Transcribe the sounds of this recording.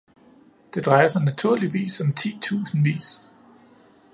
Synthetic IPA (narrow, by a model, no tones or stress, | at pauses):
d̥e̝d̥ʁɑ̈ɪɐsanæt͡sʰuɐ̰liʋḭːsɒ̽mt͡sʰḭːt͡sʰṵːsn̩ʋḭːs